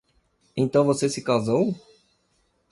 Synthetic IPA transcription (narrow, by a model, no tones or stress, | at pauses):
ẽt̪ɐ̃w̃vosesɪkazow